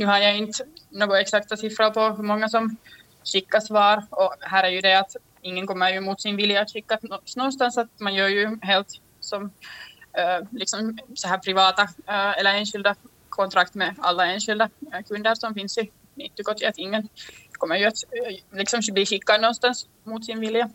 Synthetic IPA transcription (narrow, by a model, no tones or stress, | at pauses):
nʉ̟ːhaɾjaɪnt̪noːɡɔɛksakt̪asɪfɾapʰɔɦɵɾmɔŋːasɔm | ɕɪkːasvɑːɾɔɦæːɾæɾjʉd̪ɛat̪ | ɪŋːənkɔmːəɾjʉmuːt̪sɪnvɪljaːt̪ɕɪkːaɔsnɔnst̪ansat̪manjœːɾjʉɦeːlt̪ | sɔm | lɪksɔmsɔɦæːɾpʰɾɪvɑːt̪aɛlːəeːnɕɪld̪a | kʰɔnt̪ʰɾakt̪mɛa̰lːaeːnɕɪld̪akʰɵnd̪əɾsɔmfɪnsɪ | ɪnt̪ːəɡɔt̪ːɪat̪ɪŋːənkʰɔmːəɾjʉat̪lɪksɔmbliːɕɪkːad̪nɔnst̪ans | mut̪sɪnvɪlja